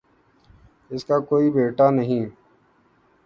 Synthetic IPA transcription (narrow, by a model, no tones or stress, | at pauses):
ɪskaːkoːibeːʈaːnəɦĩː